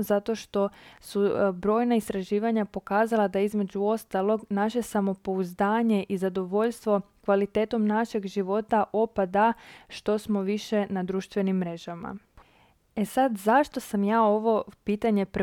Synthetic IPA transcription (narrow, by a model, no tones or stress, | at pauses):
zat̪o̞ʃt̪o̞subɾo̞ːjnaist̪ɾaʒiːʋaɲapo̞kaːzalˠad̪aizme̞d͡ʑuo̞st̪alˠo̞ɡnaʃe̞samo̞po̞uzd̪aːɲe̞ʔizad̪o̞ʋo̞ʎst̪ʋo̞kʋalit̪e̞ːt̪o̞mnaʃe̞ɡʒiʋo̞t̪aʔo̞pad̪aʃt̪o̞smo̞ʋiʃe̞nad̪ɾuːʃt̪ʋe̞nimːɾe̞ʒama̰ | e̞sad̪zaʃt̪o̞samjaːo̞ʋo̞piːt̪aɲe̞pɾ